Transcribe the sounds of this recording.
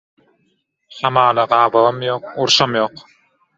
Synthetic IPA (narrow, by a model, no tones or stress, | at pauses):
hɑmɑːlˠɑɢɑːβɑmjoːquɾʃɑmjo̞ːq